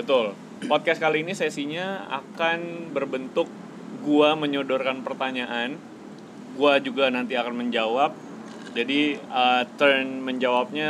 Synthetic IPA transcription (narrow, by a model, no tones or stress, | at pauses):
bət̪ʊl | pɔt̪̚kɛskaliːnisesiɲaa̰kanbərbənt̪ʊk̚ | ɡuaməɲodɔrkanpərt̪aɲaʔan | ɡuad͡ʒuɡanant̪iakanməɲd͡ʒawap̚ | d͡ʒadiət̪ərnməɲd͡ʒawap̚ɲa